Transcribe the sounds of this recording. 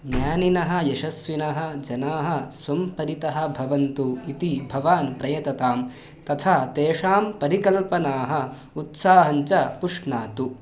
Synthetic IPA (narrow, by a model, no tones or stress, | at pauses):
ɡnjaːninɐɦɐ̆jɐʃɐsʋinɐɦɐd͡ʒɐnaːɦɐsʋɐmpɐɾit̪ɐɦɐ̆bʱɐʋɐnt̪uit̪ibʱɐʋaːnpɾɐjɐt̪ɐt̪aːm | t̪ɐt̪ʰaːt̪eːʂaːmpɐɾikɐlpɐnaːɦɐ̆ | ut̪saːɦɐɲt͡ʃɐpuʂɳaːt̪u